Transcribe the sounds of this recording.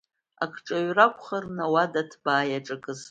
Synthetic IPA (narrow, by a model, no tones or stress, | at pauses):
a̰kʰʈ͡ʂʼaɥrakʷʰʼχarnawadatʰb̥aːjaʈ͡ʂʼɨkʰʼɨz